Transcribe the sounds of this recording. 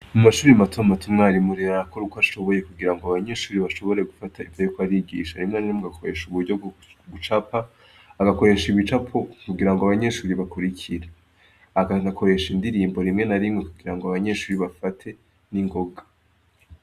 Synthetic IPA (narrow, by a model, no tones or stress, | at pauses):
mumaʃuːɾimatʰomatʰumŋaːɾimuɾiɾaɾakoɾukoaʃo̞βo̞je̞kuɡiɾaŋɡoaβaɲe̞ʃuːɾiβaʃo̞βo̞ɾe̞ɡufatʰaifajokwaɾiɡḭːʃaɾimŋeniɾemuɡakʰo̞ɾe̞ʃuβuɾɟoɡut͡ʃapaː | ɡako̞ɾe̞ʃiβit͡ʃapʰokuɡiɾaŋɡoaβaɲe̞ʃuːɾiβakuɾicʰiɾe | aɡanakʰo̞ɾe̞ʃindiɾiːmbo̞ɾimŋe̞naɾimŋe̞kuɡiɾaŋɡoaβaɲe̞ʃuːɾiβafatʰe̞ | niŋɡo̞ɡa